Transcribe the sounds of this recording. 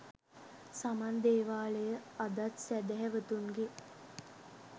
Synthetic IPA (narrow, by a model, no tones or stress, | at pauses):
samand̪eːʋaːləjəad̪at̪sæd̪əɦɛʋət̪uŋɡe